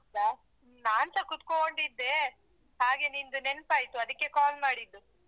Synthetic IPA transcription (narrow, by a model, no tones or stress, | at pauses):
ɐba | naːnsɐkut̪kooɳɖid̪ːe | ɦaːɡenind̪unenpaːjt̪uɐd̪ɐkːe̞kaːlmaːɽid̪ːu